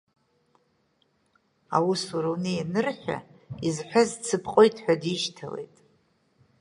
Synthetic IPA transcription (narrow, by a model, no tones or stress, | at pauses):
awusaɾwnejanɨrħʲʷᶣa̰izħʷᶣazt͡sʰɨpʰqʼojtʼħʷᶣadiʃtʰale̞̰jtʼ